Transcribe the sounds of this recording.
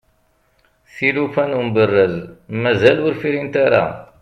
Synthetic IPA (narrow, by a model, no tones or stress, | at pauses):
θilufænumbərːəðmæzælʊɾfiɾint̪aɾa̰